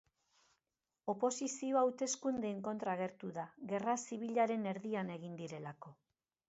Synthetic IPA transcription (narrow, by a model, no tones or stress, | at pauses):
o̞po̞sisio̞awt̪e̞skund̪eːŋko̞nt̪ɾaːɣ̞e̞ɾt̪uðaɣe̞rasiβ̞iʎaɾe̞ne̞ɾðiane̞ɣ̞ind̪iɾe̞lako